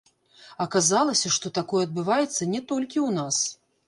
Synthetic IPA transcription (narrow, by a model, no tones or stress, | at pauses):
ɐkazalˠɐsʲɐʂt̪ɔt̪akɔjɛɐd̪bɨvajɛt̪sːɐnʲɛt̪ɔlʲkʲiwnas